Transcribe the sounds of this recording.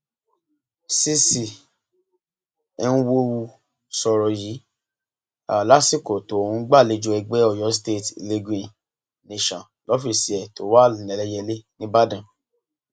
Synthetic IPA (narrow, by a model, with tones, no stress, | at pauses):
si˦si˨ | ɛ˦nũ˦wo˦wu˧ | sɔ˧ɾɔ˨ji˨˦ | a̰˨la˨˦si˦˨ko˨to˨o˨ũ˦ɡ͡ba˦˨le˧d͡ʒu˧ɛ˧ɡ͡bɛ˦ɔ˦˨jɔ˨˦ste˦˨tle˧ɡĩ˨ | ne˨ʃɔ̃˨ | lɔ˦fi˨si˨ɛ˨to˨˦wa˦˨nɛ˨lɛ˦jɛ˧le˦nĩ˦ba˦dã˨